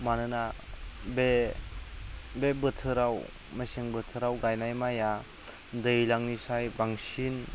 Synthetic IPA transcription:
manɯnabe | bebɯtʰɯɾaw | meseŋbɯtʰɯɾawɡajnajmaja | dɯjlaŋnisajbaŋsin

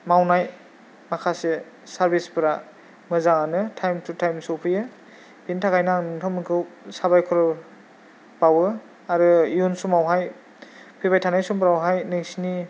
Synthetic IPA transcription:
mawnaj | makʰase | saɾbispɯɾa | mɯzaŋanɯtʰajmtʰutʰajmsɔwpʰɯjɯ | b̥intʰakajnaŋnɯtʰɔmɯkʰɯwsabajkʰɔɾɔ | b̥awɯ | aɾɯiunsumawɦaj | pʰɯβajtʰanajsumpɾawɦajnɯŋsini

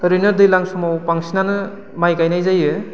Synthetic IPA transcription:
tɔɾinɐɾdɯjlaŋsɔmawpaŋsinanɯ | majkajnajzajɯ

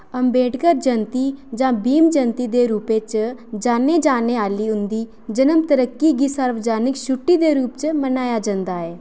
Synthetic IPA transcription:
ɐmbeːʈkəɾd͡ʒənt̪id͡ʒãbiːmd͡ʒənt̪id̪eɾuːpet͡ʃəd͡ʒaːned͡ʒaːneaːliund̪iː | d͡ʒənəmt̪əɾəkːiɡisaɾʋəd͡ʒaːnikɕuʈːid̪eɾuːp̚t͡ʃəmɐnaːjad͡ʒɐ̃nd̪aːe

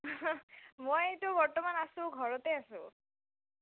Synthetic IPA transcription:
mojejtubɔɹtɔmanasũɡʱɔɹɔt̪easṵ̃

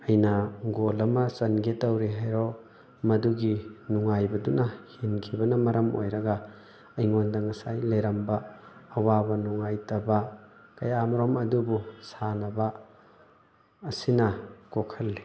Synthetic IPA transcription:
ɐjnɐɡolɐmɐsɐnɡetɐwɾiɦajɾo | mɐduɡinuŋajbɐdunɐhinkʰibɐnɐmɐɾʔɐmo̰jɾɐɡɐ | ɐjŋondɐŋɐsajlejɾɐmbɐːwabɐnuŋajtɐbɐkɐjamɾomɐdubusanɐbɐ | sinɐkokʰɐlːi

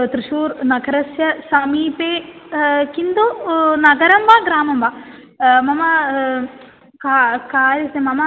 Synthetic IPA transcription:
t̪ɾiʃuːɾnɐɡɐɾɐsjɐsɐmiːpeː | kind̪unɐɡɐɾɐmʋaɡɾaːmɐmʋa | mɐmɐ | kakaːɾɐsemɐmɐ

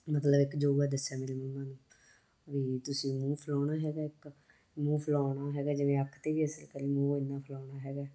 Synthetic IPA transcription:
mət̪ləbɪkd͡ʒoːɡaːd̪əsːaːmeːɾeməmːãːnũː | ʋiːt̪ʊsĩːmũːpʰəlɔːnaːɦɛːɡaːɪk | mũːpʰəlaːnaːɦɛːɡaːd͡ʒɪʋẽːəkʰt̪eːʋiːɦəsəlkəɾeːmũːɪnːãːpʰəlɔːɳaːɦɛːɡaː

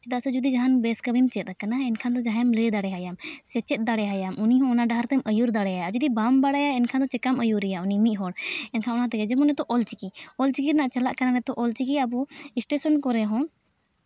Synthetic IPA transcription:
t͡ʃɛd̪asɛd͡ʒud̪id͡ʒaɦanbɛskəbimt͡ʃɛt̪̚akanaɛnkʰand̪ɔd͡ʒaɦjamlɛd̪aɽɛɦajamsɛt͡ʃɛt̪̚ˀd̪aɽɛɦajamʔuniɦɔ̃ɔnaɖaɦaɾt̪ɛmʔəjuɾd̪aɽɛɦajad͡ʒud̪ibambaɽajaɛnkʰand̪ɔt͡ʃɛkaməjuɾɛjaunimiʔ̚ˀɦɔɽɛnkʰanɔnat̪ɛɡɛd͡ʒɛmɔ̃nɛt̪ɔʔɔlt͡ʃikiɔlt͡ʃikiɾnaʔt͡ʃəlaʔkananɛt̪ɔʔɔlt͡ʃikiabuisʈesənkɔɾɛɦɔ̃

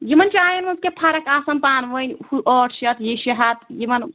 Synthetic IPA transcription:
jimɐnt͡ʃiaːjɐnmɐnskepʰaɾɐkaːsɐmpaːnʋənʲhuʔɔʈʰʃɐt̪jiʃɐɦɐt̪jimɐn

